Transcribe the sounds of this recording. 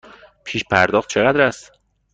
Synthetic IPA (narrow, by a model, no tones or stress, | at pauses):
pʰiːʃpʰæɾd̪ɒːxt̪̚t͡ʃʰeɣæd̪ɾæst̪